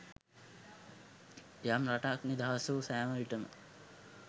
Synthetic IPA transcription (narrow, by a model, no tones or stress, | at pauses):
ejamraʈaknid̪aɦasuːsæːməʋiʈəmə̰